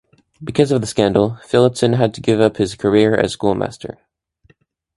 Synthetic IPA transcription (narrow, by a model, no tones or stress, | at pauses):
bɨkʰʌzʌvðəskæ̃ndˡl̩ˠfɪlˠəpsɨ̃nɨd̚tʰɨɡɪvʌphɨz̥kʰə˞ɪɹɨ̰z̥skulˠmæ̰stə̰˞